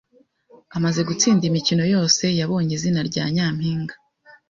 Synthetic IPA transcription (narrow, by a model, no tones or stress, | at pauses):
amaze̞ɡut͡siːndimicino̞jo̞ːse̞jaβo̞ːɲizinaɾɟa̰ːɲaːmhiːŋɡḁ